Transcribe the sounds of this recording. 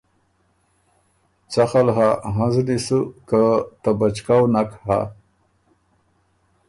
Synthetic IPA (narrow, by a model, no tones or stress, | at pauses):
t͡saxalɦaɦãznisukat̪abat͡ʃkawnakha̰